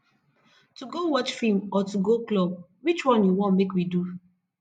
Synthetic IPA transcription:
tuɡowɔt͡ʃfimɔtuɡoklɔb̚ | wit͡ʃwɔ̃njuwɔ̃nmekwidu

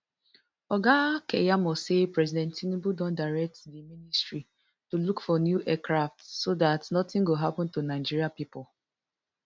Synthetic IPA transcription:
ɔɡakejamɔsepɹɛzidɛ̃ntinibudɔ̃ndaɹɛk̚tdiministɹi | tulukfɔnjuʔɛkɾaftsodatnɔtɪ̃ŋɡoɦapɔ̃ntunaɪd͡ʒiɾiapipʊl

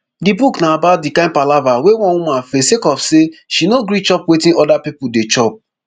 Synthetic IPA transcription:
dibuknaabat̚dikãɪ̃npalavawewɔ̃nwumãfesekɔfseʃinoɡɾit͡ʃɔpwetĩɔdapipudet͡ʃɔp̚

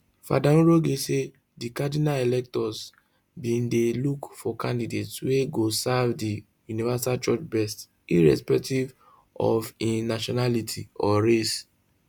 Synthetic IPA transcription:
fa̰daũɹoɡese | dikadinaelɛk̚tɔs | bĩndelukfɔkʰãndidetsweɡosavdi | junivasalt͡ʃɔt͡ʃbɛst | iɹɛ̰spɛk̚tiv | ɔ̰vĩnaʃɔnalitʰiɔɹes

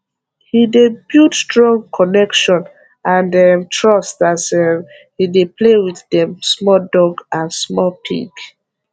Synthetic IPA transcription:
hidebjutstɹɔ̃ŋkʰɔnɛkʃɔ̃n | ãndɛmtʰɹɔstasɛm | hideplewiθdɛ̃msmɔdɔɡãnsmɔpʰḭk

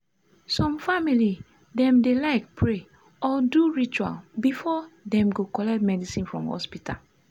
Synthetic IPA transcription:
sɔ̃mfamili | dɛ̃mdelaɪkpʰɹe | ɔduɹit͡ʃua̰lbifɔdɛ̃mɡokɔlɛkt̚mɛdisĩnfɹɔ̰̃mhɔ̰spitʰa̰l

